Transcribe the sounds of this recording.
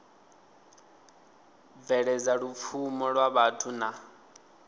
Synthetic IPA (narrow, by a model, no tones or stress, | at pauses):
b̪vɛɺɛd͡zaɺup̪fʰumɔɺwaβatʰuna